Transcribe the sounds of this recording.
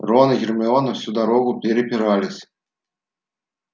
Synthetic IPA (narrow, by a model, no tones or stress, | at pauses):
rɔnɨɣʲɪrmɨɔnɐfsʲud̪aɾoɡʊpʲeɾʲɪpʲɪɾalʲɪsʲ